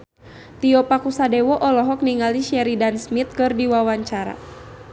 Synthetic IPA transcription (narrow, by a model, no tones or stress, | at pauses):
t̪iɔpakusadɛwɔʔɔlɔɦɔk̚niŋaliʃɛɾidansmit̪̚kɨrdiwawaɲt͡ʃaɾa̰